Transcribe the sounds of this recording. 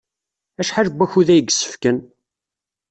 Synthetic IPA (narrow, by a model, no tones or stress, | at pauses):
æʃħaləbːæçuðæjəɡsə̥fkən